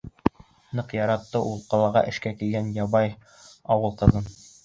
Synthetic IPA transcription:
nɤqjɑɾɑt̪ːɤʔulˠqɑlˠɑʁɑ̰ʔɘ̆ʃkækilɡænjɑβɑj | ɑwɤlˠqɤ̆ðɤn

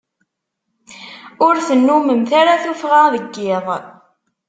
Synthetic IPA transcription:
ʊɾθənːuməmθaɾaθufʁaðəɡːɪðˤ

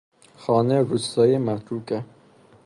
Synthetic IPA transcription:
xɒːneɾust̪ɒːjemæt̪ɾukæ

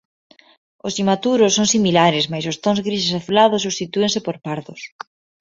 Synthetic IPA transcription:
ʊsimat̪uɾʊsːoŋsimilaɾɪsmajsost̪õŋzɣɾisesaθulaðʊsːust̪it̪uẽŋsepoɾpaɾðʊs

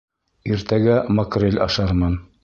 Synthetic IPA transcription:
iɾt̪æɡæmɐkrʲelʲɑ̰ʃɑɾmɑn

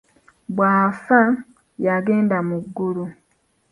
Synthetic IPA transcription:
bwaːfa | jaɡeːndamuɡːulu

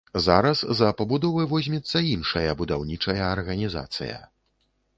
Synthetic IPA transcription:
zaɾɐszɐpɐbud̪ɔvɨvɔzʲmʲɛt̪sːɐinʂɐjɐbud̪awnʲit͡ʂɐjɐːrɣɐnʲiza̰t̪sɨ̰jɐ̰

